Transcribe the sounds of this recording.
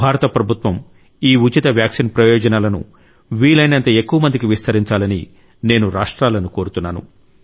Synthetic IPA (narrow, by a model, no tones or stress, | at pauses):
bʱaːɾɐt̪ɐpɾɐbʱut̪ʋɐm | iːut͡ʃit̪ɐʋjaːksinpɾɐjɔːd͡ʒɐnaːlɐnṵ | ʋiːlɐjnɐnt̪ɐe̞kːuʋɐmɐnd̪ikiʋist̪ʰɐɾiɲt͡ʃaːlɐnḭ | ne̞ːnuɾaːʂʈɾaːlɐnuko̞ːɾut̪unːaːnṵ